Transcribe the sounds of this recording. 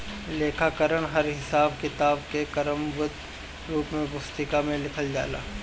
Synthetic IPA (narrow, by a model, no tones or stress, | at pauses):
leːkʰakəɾəɽ̃ɦɐɾɦɪsaːbkɪt̪aːbkekɐɾəmʋʊt̪ | ɾuːpmẽbʊst̪ɪkamẽlɪkʰəld͡ʒa̰ːla̰ː